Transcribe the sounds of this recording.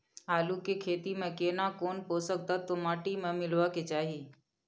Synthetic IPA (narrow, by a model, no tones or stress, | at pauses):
ɦaːlukekʰeːt̪imẽkeːnaːkoːnpoːsək̚d̪at̪omaːʈimẽmɪlʋaket͡ʃaːɦiː